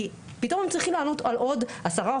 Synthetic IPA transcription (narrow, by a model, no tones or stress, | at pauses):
i | pito̞mhemt͡sʁiχimlaːno̞talʔo̞dhasaʁa